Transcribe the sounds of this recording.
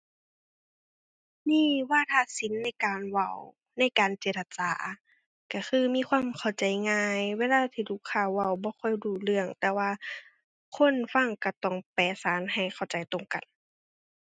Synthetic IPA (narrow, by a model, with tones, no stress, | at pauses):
niː˧˥˨waː˧˨t̪ʰaː˧si˨˦nːa˧˥˩jkaː˨nwa˧˩˨w | na˧˥˩jkaː˨nt͡ɕeː˧t̪̚a˧t͡ɕaː˨ | ka˧˩xʰɯː˧miː˧˥˨kʰwaː˧˥˨mkʰa˧˩wt͡ɕa˨jŋaː˧jweː˧˥˨laː˧t̪ʰiː˧˩lʰu˧˨kʰːaː˧˩wa˧˩wbɔː˧˦xʰɔ˧˥˨jduː˧˩lɯ˧əŋt̪ɛː˧waː˧ | kʰo˧˥˨nfa˧˥˨ŋka˧˩t̪ɔ˧˩ŋpɛː˨˩saː˨˦nɦa˨˩jkʰa˨˩wt͡ɕa˨jt̪o˧˨ŋka˨n